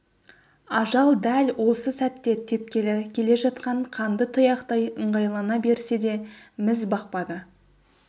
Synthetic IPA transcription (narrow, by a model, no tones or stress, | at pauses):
ɑʒɑlˠd̪ælʲwo̞səsæt̪ːe̞t̪ʰe̞p̚kʲe̞lɪkʲʰe̞le̞ʒɑt̪̚qɑɴqʰɑnd̪ət̪ʰəjɑqt̪ɑjəɴʁɑjlˠɑnɑbe̞ɾse̞d̪e̞mɪzbɑq̚pɑd̪ə